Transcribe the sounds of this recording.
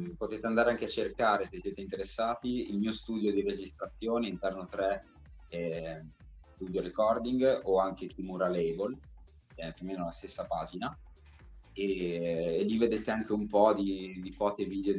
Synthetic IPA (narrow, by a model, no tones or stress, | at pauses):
pot̪eːt̪eand̪aɾeaŋk̟eat͡ʃːerkaːɾesesːjeːt̪eint̪eɾesːaːt̪iilmiːost̪uːd̪jod̪iɾed͡ʒist̪ɾat̪sːjoːneint̪ɛrnot̪ɾɛ | ɛ | st̪uːd̪joɾekɔrd̪iŋɡoaŋk̟et̪imuɾalɛjbol | ɛpjomeːnolast̪esːapaːd͡ʒina | eː | lːived̪et̪eaŋk̟eumpɔd̪id̪ifɔːt̪eviːd̪eo